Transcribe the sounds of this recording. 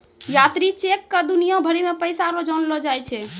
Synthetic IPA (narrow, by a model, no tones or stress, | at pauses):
jat̪ɾit͡ʃekːəd̪unijabʱəɾimepəjsaɾod͡ʒənlɔd͡ʒajt͡ʃʰɛ